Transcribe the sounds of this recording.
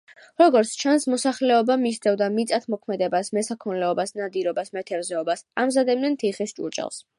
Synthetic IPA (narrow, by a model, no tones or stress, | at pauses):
ɾɔɡɔɾt̪sʰt͡ʃʰansmɔsaχlɛɔbamist̪ʰɛvd̪amit̪sʼat̪ʰmɔkʰmɛd̪ɛbasmɛsakʰɔnlɛɔbasnad̪iɾɔbasmɛt̪ʰɛɾzɛɔbasamzad̪ɛbnɛnt̪ʰiχist͡ʃʼṵɾt͡ʃʼɛ̰lˠs